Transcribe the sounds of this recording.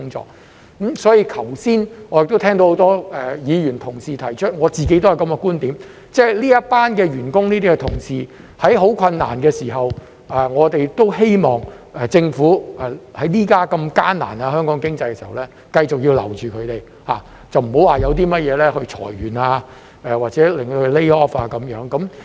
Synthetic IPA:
ʊ˥ŋt͡sɔ̰ː˧˥k̚ | kmsɔː˨˥jiː˧kʰɐ˨˩wsiː˥nŋɔː˨˧jɪ˨k̚t̪o˥wt̪ʰɛː˥ŋto˧who˨˥wt̪ɔː˥ɛ˨jiː˨˧ɥyː˨˩nt̪ʰʊ˨˩ŋsiː˨t̪ʰɐ˨˩jt͡ʃʰɵ˥t̚ŋɔː˨˧t͡siː˨ke˨˥jt̪o˥whɐ˨˩jkɐ˧mɛ˧kuː˥nt̪iː˨˥m | t͡sɛː˥liː˥jɐ˥paː˥nkɛː˧ɥyː˨˩nkʊ˥ŋniː˥t̪iː˥kɛ˧t̪ʰʊ˨˩ŋsiː˨ | hɐ˨˥jɦo˨˥wkʰɐ˧nːa̰ː˨˩nkɛː˧siː˨˩ɦɐ˨w | ʔɛ˨ŋɔː˨˧t̪e˨˩jt̪o˥whe˥jmɔː˨˩ŋ | ɛː˨˩t͡sɪ˧ŋfuː˨˥ʔɛ˨hɐ˨˥jliː˥kaː˥kɐ˧mkaː˥nna̰ː˨˩naː˧ɦœː˥ŋkɔː˨˥ŋkɪ˥ŋt͡sɐ˧jkɛ˧siː˨˩˨ɐ̰˨wlɛː˥ | kɐ˧jt͡sʊ˨k̚jiː˧wlɐ̰˨˩wt͡ʃyː˨kʰɵ˨˧ɥt̪e˨j | haː˨ | t͡sɐ˨wm̩˨˩ho˨˥waː˨˩jɐ˨˧wt̪̬iː˥mɐ˥t̚jɛː˨˧lɛː˥hɵ˧ɥt͡ʃʰɔ̰ː˨˩jɥyː˨˩naː˧ | ɛː˨waː˨˩t̚t͡sɛː˨˦˥lɪ˨ŋto˧hɵ˧le˥ɔː˥paː˧kɐ˨˦mjœː˨˥ŋkɐ˨˦m

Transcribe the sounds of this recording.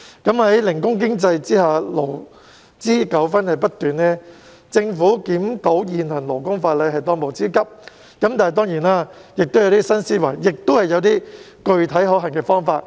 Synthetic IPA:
kɐ˨˥mhɐ˨˦˥jlɪ˨˩ŋkʊ˥ŋk̬ɪ˥ŋt͡sɐ˧jt͡siː˥ɦaː˨˩lo˨˩w | t͡siː˥kɐ˨˥wfɐ˥nhɐ˨jpɐ˥t̚t̪yː˨nːɛː˥ | t͡sɪ˧ŋfuː˨˥kiː˨˥mt̪o˨˥wjiː˨nhɐ˨˩nlo˨˩wkʊ˥ŋfaː˧t̚lɐ˨˧jɦɐ˨jt̪ɔː˧ŋmo˨˩wt͡siː˥kɐ˥p̚ | kɐ˨˥mt̪aː˨hɐ˨jt̪ɔː˥ŋjiː˨˩naː˧jɪ˨k̚t̪o˥wjɐ˨˧wt̪iː˥sɐ˥nsiː˥wɐ˨˩jjɪ˨k̚t̪o˥whɐ˨jɐ˨˧wt̪iː˥ | kɵ˧ɥt̪ʰɐ˨˥jɦɔː˨˥ɦɐ˨˩ŋkɛː˧fɔː˥ŋfaː˧t̚

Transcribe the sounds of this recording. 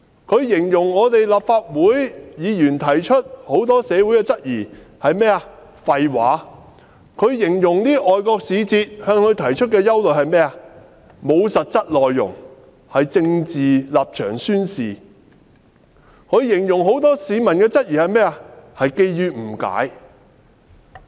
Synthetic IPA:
kʰɵ˨˧ɥjɪ˨˩ŋjʊ˨˩ŋŋɔː˨˧t̪e˨jlaː˨p̚faː˧t̚wuː˨˥jjiː˨˧jyː˨˩nt̪ʰɐ˨˩jt͡ʃʰɵ˥t̚ho˨˥wt̪ɔː˥sɛː˨˧wuː˨˥jkɛː˧t͡sɐ˥t̚jiː˨˩ | hɐ˨jmɛː˥ɐ˨ | fɐ˨jwaː˨˥ | kʰɵ˨˧ɥjɪ˨˩ŋjʊ˨˩ŋniː˥ʔɔː˨jkɔː˧k̚siː˨˧t͡siː˧t̚hœː˧ŋkʰɵ˨˧ɥt̪ʰɐ˨˩jt͡ʃʰɵ˥t̚kɛː˧jɐ˥wlɵ˨˩hɐ˨jmɛː˥ɐ˧ | mo˨˧wsɐ˨t̚t͡sɐ˥t̚lɔː˨jːʊ̰˨˩ŋ | hɐ˨jt͡sɪ˧ŋt͡siː˨laː˨p̚t͡ʃʰœː˨˩ŋsyː˥nsiː˨˩ | kʰɵ˨˧˥ɥjɪ˨˩ŋjʊ˨˩ŋɦo˨˥wt̪ɔː˥siː˨˧mɐ˨˩nkɛː˧t͡sɐ˥t̚jiː˨˩hɐ˨jmɛː˥ɐ˧hɐ˨jke˧jjyː˧m̩˨˩ka̰ː˨˥j

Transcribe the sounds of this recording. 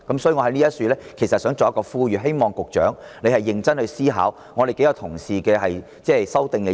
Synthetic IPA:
kɐ˨˥msɔː˨˥jyː˨˧ŋɔː˨˧ɐ˨˥niː˥jɐ˥t̚syː˨˧lɛː˥kʰjsɐ˨t̚sœː˨˥ŋt͡sɔ˨jɐ˥kːɔː˧fuː˧˥ɥyː˨˩ɦe˥jmɔː˨ŋkʊ˨k̚t͡ʃœ̰ː˨˥ŋne˨˧jhɐ˨jːɪ˨˧ŋt͡sɐ˥nhɵ˧siː˥ɦa̰ː˨˥w | ŋɔː˨˧ɾe˨jke˨˥jɐ˨˧wt̪ʰʊ˨˩ŋsiː˨kɛː˧hɐ˨j | t͡sɛː˥˨sɐ˥wt̪ɪ˨ŋkɛː˧

